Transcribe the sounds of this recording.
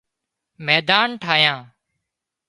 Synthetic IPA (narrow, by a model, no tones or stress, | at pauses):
mɛːd̪aːnʈʰaːjãː